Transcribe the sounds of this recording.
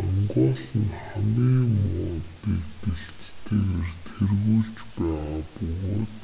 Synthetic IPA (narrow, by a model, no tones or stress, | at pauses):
ɔŋɢɔːɮə̆nχamiːmɔːt̪ikt̪eɬt͡ɕt̪ʰeːert̪ʰerɣuːɮt͡ɕpæːʁaːpɵɣoːt̪